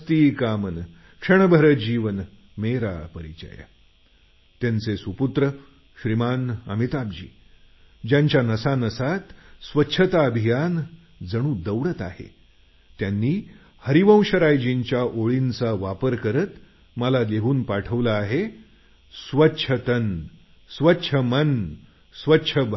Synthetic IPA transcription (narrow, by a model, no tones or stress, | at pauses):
t̪iːkamən | kʂəɳ̃əbʱəɾəd͡ʑiʋən | meɾapəɾit͡ɕə̰ja̰ | t̪jant͡sesuput̪ɾə | ɕɾimanə̰mit̪ab̚d͡ʑḭː | d͡ʑjaɲt͡ɕjanəsanəsat̪sʋətːɕʰət̪aəbʱijan | d͡zəɽ̃uːd̪əwɽət̪a̰hḛ | t̪janːiː | həɾiʋə̃w̃ɕəɾajd͡ʑiɲt͡ɕjaʔoɭint͡saʋapəɾkəɾət̪ | məlaleɦuːnpaʈʰəʋlaːɦe | sʋətːɕʰət̪ən | sʋətːɕʰəmən | sʋətːɕʰəbʱ